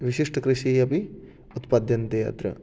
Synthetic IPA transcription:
ʋiʃiʂʈɐkɾiʃiɐpi | ut̪pad̪ʱjɐnt̪ɐja̰ːt̪ɾɐ̰

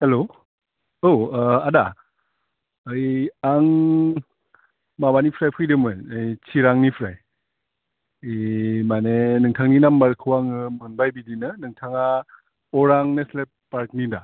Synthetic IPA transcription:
helo | oada | ɯjaŋ | mabanipʰɾajpʰɯjdɯmɯnɯjt͡ʃʰiɾaŋnipʰɾaj | jmanenɯŋtʰaŋninambaɾkʰɯwaŋɯmɯnbajbidinɯnɯŋtʰaŋa | ɔɾaŋneslep̚pːaɾk̚nida

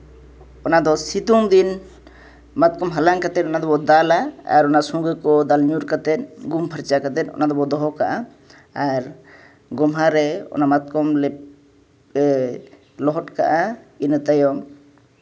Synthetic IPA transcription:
ɔnad̪ɔsit̪umd̪in | mat̪̚kɔmɦalaŋkat̪ɛt̪ɔnad̪ɔbɔd̪alaa̰ɾɔnasɔ̃ŋɡəkɔd̪alɲuɾkat̪ɛt̪̚ɡumpʰəɾt͡ʃakat̪ɛt̪̚ɔ̰nad̪ɔbɔd̪ɔɦɔkaʔa | aɾ | ɡɔmɦaɾɛɔ̰namat̪̚kɔmlɛ | lɔɦɔʈka̰ʔainət̪ajɔŋ

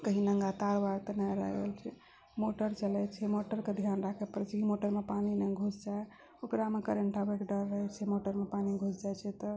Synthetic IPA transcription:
kəɦinəŋɡat̪aɾbaɡt̪ənajɾə̰ɦɡḛlt͡ʃʰɛ | moʈəɾt͡ʃəlɛt͡ʃʰɛmoʈəɾked̪ʱjanɾakʰɛpəɾɛt͡ʃʰɛkimoʈəɾmepaninɛɡʱut͡ʃd͡ʒae | okɾamekəɾeɳʈabekɖəɾːəɦɛt͡ʃʰɛmoʈəɾmepaniɡʱut͡ʃʰd͡ʒajt͡ʃʰɛt̪ɔ

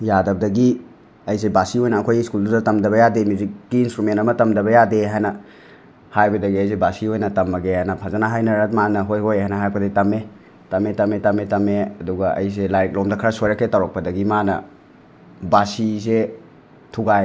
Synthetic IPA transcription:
jadɐbdɐɡi | ɐjsebasiojnɐːkʰojiskuldudɐtɐmdɐβɐjademizikɡiːnstɾumentɐmɐtɐmdɐβɐjadeɦajnɐ | hajbɐdɐɡiɐjs̬ebasiojnɐtɐmːɐɡehajnɐpʰazanaɦajnɐɾɐt̚manɐɦojɦojɦajnɐɦaj̚pʰɐdɐɡitɐme | tɐmetɐmetɐmetɐmeɐ̰duɡɐɐ̰jselajk̚lomdɐkʰɐɾɐsojɾɐkʰːetawɾɔk̚pɐdɐɡimanɐ̰ | basize | tʰuɡaj

